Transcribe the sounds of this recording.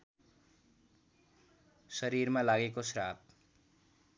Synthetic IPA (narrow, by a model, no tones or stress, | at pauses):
sʌɾiɾmalaɡekosɾap̚